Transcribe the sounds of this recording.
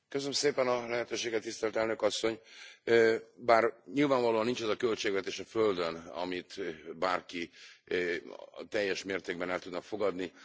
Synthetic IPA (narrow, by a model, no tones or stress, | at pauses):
køsønəmseːpɛnɒlɛɦɛt̪øːʃeːɡɛt̪ːist̪ɛlt̪ɛlnø̞kɒsːo̞ɲøbaːrɲilvaːɱvɒloːɒnint͡ʃɛzɒkø̞lt͡ʃeːɡvɛt̪eːʃɒføld̪ønɒ̰mit̪baːrki | t̪ɛjːɛʃmeːrt̪eːɡ̚bɛnɛlt̪ud̪nɒkfo̞ɡɒd̪ni